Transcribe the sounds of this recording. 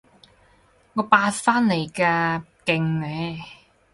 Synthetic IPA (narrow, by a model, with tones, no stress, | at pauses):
ŋɔː˨˧paː˧tfaː˥nle˨˩jkaː˧kɪ˧ŋnɛː˨˧